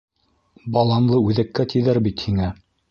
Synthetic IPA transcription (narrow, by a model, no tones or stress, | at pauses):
bɑlˠɑnlˠɤʉðækːæt̪ʰiðæɾbit̪hiŋæ